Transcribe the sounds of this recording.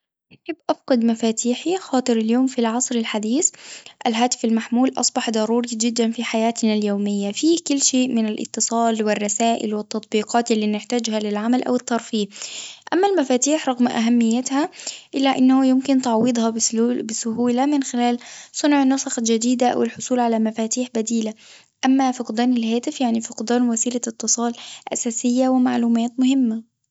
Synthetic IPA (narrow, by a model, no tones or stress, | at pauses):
ʔaħɪbːʔafqʊd̪mafaːt̪ʰiːħixɑːt̪ˤɨɾɪljoːmfilʕɑsˤɾɪlħad̪iːθʔalɦaːt̪ɪ̥falmaħmuːlʔɑ̰sˤbɑħd̪ˤɑɾˤuːɾid͡ʒɪd̪ːanfiːħajaːt̪naljoːmɪjːafiːkʊlːʃeːʔmɪnalʔɪ̰t̪ːɨsˤɑːlwɪrˤːɑsaːʔɪ̰lwɪt̪ːɑt̪ˤbiːqɑːt̪ɪlːiːnɪħt̪aːd͡ʒhalɪlʕamalʔa̰wɪt̪ˤːɑɾˤfiːʔamːælmæfaːt̪iːħɾˤɑɣmʔa̰ɦæmːɪjːat̪hæʔɪlːæʔɪnːahʊjʊmkɪnt̪ɑʕwɨd̪ˤhɑbɪsʊhuːlamɪnxɪlæːlsˤʊnʕnːɑsˤɑxɑd͡ʒad̪iːd̪aʔa̰wɪlħʊsˤuːlʕalamæfaːt̪iːħbæd̪iːla | ʔamːafɑqd̪æːnɪlɦaːt̪ɪfjaʕnifɑqd̪æːnwæsiːlaʔɪt̪ːɨsˤɑːlʔa̰sæːsɪjːawɪmaʕluːmæːt̪mʊhɪmːa